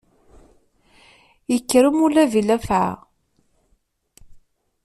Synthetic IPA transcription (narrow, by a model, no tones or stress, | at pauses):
jəkːɾəmʊlævilæfʕa̰